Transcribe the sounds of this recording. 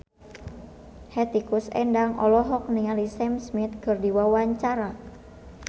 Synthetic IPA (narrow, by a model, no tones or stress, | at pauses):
hɛt̪ikusɛ̰ndaŋɔ̰lɔɦɔk̚niŋalisɛmsmit̪̚kɨrdiwawaɲt͡ʃaɾa